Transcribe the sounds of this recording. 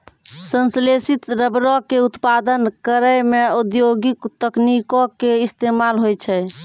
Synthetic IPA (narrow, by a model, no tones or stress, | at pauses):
sənslesit̪ɾəbɾɔkeut̪pad̪ənkəɾəmeud̪joɡikt̪əknikɔ̃keist̪emalɦojt͡ʃʰɛ